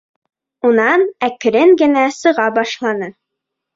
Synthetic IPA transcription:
unɑnæk̆ɾɘŋɡɘ̆næsɤ̆ʁɑbɑʃlˠɑnɤ

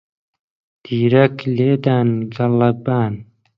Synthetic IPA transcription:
d̪̥iːɾɐkleːd̪aːnɡɐlɐbaːn

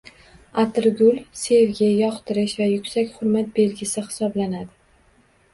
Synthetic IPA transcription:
at̪ɪɾɡʲʊlsevɡʲajɒqt̪ɪɾɪʃvajʊkʲsakʲχʊɾmat̪̚be̞lɡʲɪsɪhɪ̥sɒblanad̪ɪ

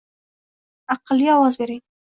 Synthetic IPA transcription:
aqlijɑwɑzbeɾej

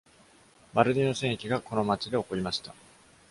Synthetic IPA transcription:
baɾɯ̟d̪ʲino̞sẽɰ̃ekʲiɡako̞no̞mat͡ɕid̪e̞o̞ko̞ɾʲimaɕi̥t̪a

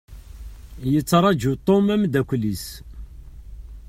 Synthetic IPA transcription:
jət͡sːɾˤɑd͡ʒut̪ˤːomæmd̪ækʷlis

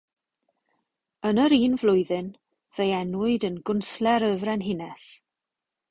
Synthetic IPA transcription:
ənəɾiːnvlʊɨðɨn | v̥ejɛnwʊɨdənɡʊnslɛɾəvrɛnɦɪnɛs

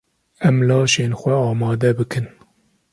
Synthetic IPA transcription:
ɛmlɑːʃeːnxʷɛɑːmɑːd̪ɛbɨkʰɨn

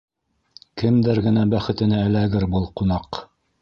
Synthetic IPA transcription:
kɘ̆md̪ɘɾɡɘ̆næbæχɘ̆t̪ɘ̆næɘ̆læɡɘɾbɤlˠqunɑq

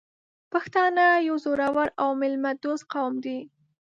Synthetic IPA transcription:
paxt̪ɑnajawzoɾawaɾawmɪlmad̪ozqawmd̪i

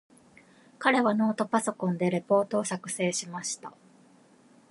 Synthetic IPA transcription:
kaɾe̞βano̞ːt̪o̞paso̞kõ̞nd̪e̞ɾe̞po̞ːt̪o̞ːsakɯ̟̥se̞ːɕimaɕi̥t̪a

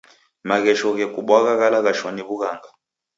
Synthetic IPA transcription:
maɣɛʃɔɣɛkuɓwaɣaɣalaɣaʃwaniβuɣaŋɡa

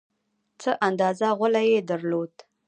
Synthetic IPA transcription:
t͡səʔand̪ɑzaʁʷəlajed̪aɾlod̪

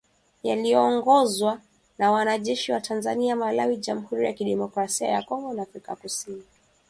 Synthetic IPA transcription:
ja̰lijɔːŋɡɔzwa | nawanaʄɛʃiwatʰanzaniamalawiʄam̩huɾijakiɗɛmɔkɾasia̰jakɔŋɡɔnaːfɾikakusini

